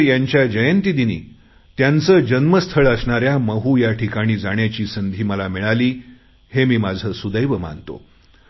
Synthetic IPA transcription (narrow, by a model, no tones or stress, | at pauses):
jaɲt͡ɕjad͡ʑəjənt̪id̪inḭː | t̪jant͡səːd͡ʑənməst̪ʰəɭəsɳaɾjaməɦujaʈʰikaɽ̃iːd͡zaɽ̃jat͡ɕiːsənd̪ʱiːməlamiɭaliː | hemiːmad͡zʱəːsud̪əjʋəma̰nt̪o̰